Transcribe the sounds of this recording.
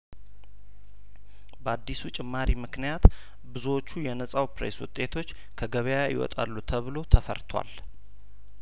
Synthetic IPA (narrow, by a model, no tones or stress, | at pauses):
bəad̪ːisut͡ʃʼɪmːaɾimɨknijat̪ | bɨzuwot͡ʃːujɛnəsʼawpɾeswʊ̰t̪ʼe̞t̪ʰo̞t͡ʃː | kʰəɡəβəjaajɪ̰wɔ̰t̪ʼa̰lːut̪ʰəβɨlo̞t̪ʰəfə̰ɾt̪ʰwa̰l